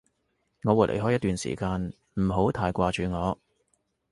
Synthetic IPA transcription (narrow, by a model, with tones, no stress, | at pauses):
ŋɔː˨˧wuː˨t̚lḛ˨˩jɦɔː˥jɐ˥t̪ːyː˨nsḭː˨˩kaː˧n | m̩˨˩ɦo˨˥wt̪ʰaː˧jkʷaː˧t͡ʃyː˨˧ŋɔː˨˧